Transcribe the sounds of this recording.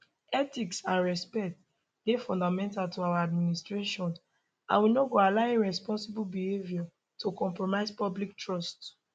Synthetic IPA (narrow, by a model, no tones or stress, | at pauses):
ɛtiksãnɹɛspɛt | lefɔ̃ndamɛ̃ntaltuawaadministɹeʃɔ̃n | ã̰nwinoɡoalaɪeɹɛspɔ̃nsibulbihevja | tʰokɔ̃mpɹomaɪzpɔblik̚tɹɔst